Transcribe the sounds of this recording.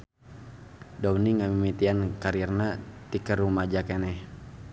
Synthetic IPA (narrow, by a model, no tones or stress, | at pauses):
dauniŋamimit̪iankaɾirnat̪ikərumad͡ʒakɛnɛh